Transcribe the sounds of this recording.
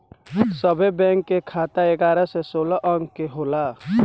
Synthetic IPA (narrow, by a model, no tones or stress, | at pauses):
səbʱebɛ̃ŋkːekʰat̪aeɡaɾəsɛsolɔʔəŋɡkeɦola